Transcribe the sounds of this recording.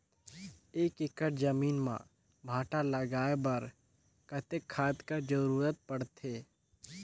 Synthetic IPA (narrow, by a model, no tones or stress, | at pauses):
eːkɪkəʈd͡ʒəmiːnmã̰ː | bʱaːʈalɐɡaːebɐɾ | kət̪ekʰːaːt̪kəɾd͡ʒəɾuːɾət̪̚pɐɽt̪ʰeː